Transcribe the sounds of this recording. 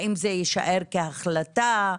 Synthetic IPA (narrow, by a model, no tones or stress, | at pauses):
ʔimzejiʃa̰ʔeʁkeaχlat̪a